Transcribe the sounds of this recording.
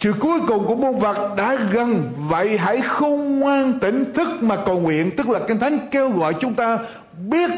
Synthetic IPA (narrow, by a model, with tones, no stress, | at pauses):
sɨ̰˧˨ku˨˦əjkʊ˨˩ŋ͡mku˧˩əmu˧nvə˨˩t̚ɗa̰ː˧˥ɣə˨˩nvə̰˧˨jɦa̰˧˥jxə˧wŋ͡mŋwaː˧nt̪ï˧˩ŋ̟t̪ʰɨ˦˥k̚maː˨˩kə˨˩wŋwḭ˧˨ənt̪ɨ˦˥k̚laː˨˩kï˧ŋ̟t̪ʰa˨˦jŋ̟ke˧wɣɔ̰˧˨jt͡ɕʊ˨˦ŋ͡mt̪aː˧ | ɓi˦˥ət̚